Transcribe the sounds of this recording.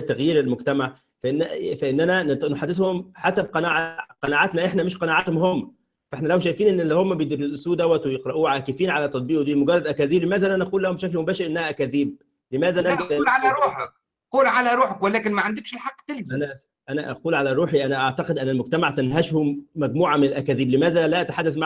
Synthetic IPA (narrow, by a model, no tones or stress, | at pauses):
t̪ːæɣjiːɾelmoɡt̪æmaʕ | fæʔenːæfæʔenːænænnoħad̪ːeshomħasæb̚qɑnaːʕaqɑnaːʕat̪næʔeħnæmeʃqɑnaːʕat̪homhomːæ | fæʔeħnælæwʃ̬æjfiːnʔenːelːihomːæbejed̪ɪɾed̪ʔsuːd̪æwːæt̪wejeqɾˤɑʔuːʕaːkefiːnʕalæt̪ˤːɑt̪̚ˤbiːʔwd̪iːlmoɡɑrˤːɑd̪ʔækæðiːblemæːðælænæʔɑquːlːæhomʃæjfimobæːʃeɾʔenːæhæʔækæðiːb̚ | lemæːðæʔænæɡlʕalæɾˤuːħæk̚ | quːlʕalæɾˤuːħakwælæːkɪnmæʕand̪ɪkʃelħaqːt̪elzænæ | ʔænæʔæ̰quːlʕalæɾˤuːħiʔænæʔaʕt̪ɑqed̪ʔænːælmʊɡ̚t̪æmaʕt̪ænɦæʃhomːæɡmuːʕamenælʔækæːðiːblemæːðælæʔæt̪ḁħad̪ːæθma